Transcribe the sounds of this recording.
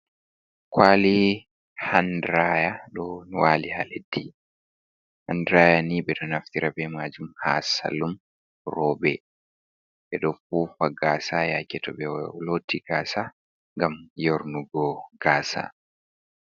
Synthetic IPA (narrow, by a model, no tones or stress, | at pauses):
kwaːli | handɾajaɗɔwaːlihaledːi | handɾajaniɓɛɗɔnaft̪iɾabɛmaːd͡ʒumha̰ːsa̰lːum | rɔːbɛ | ʔɛɗɔfuːfaɡaːsajakɛtɔɓɛlotːiɡaːsa | ŋɡamjoɾnuɡɔɡ̥aːsa̰